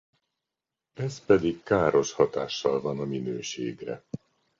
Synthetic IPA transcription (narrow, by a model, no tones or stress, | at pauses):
ɛspɛd̪ikkaːɾo̞ʃhɒt̪aːʃːɒlvɒnɒminøːʃḛːɡrɛ̰